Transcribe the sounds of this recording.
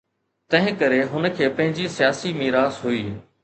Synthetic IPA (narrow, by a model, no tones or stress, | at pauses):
t̪ɐ̃ɦɪ̃kɐɾeɦʊnə̆kʰeːpɐ̃ɦɪ̃ɲd͡ʑisijaːsimiːɾaːzɦuiː